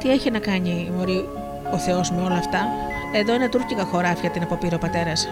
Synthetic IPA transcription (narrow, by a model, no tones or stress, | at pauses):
t̪ie̞çinɐkɐɲimo̞ɾi | o̞θe̞o̞zme̞o̞lɐːft̪ɐ | e̞ðo̞inɐt̪uɾcikɐxo̞ɾɐfçɐt̪inɐpopiɾopɐt̪e̞ɾɐs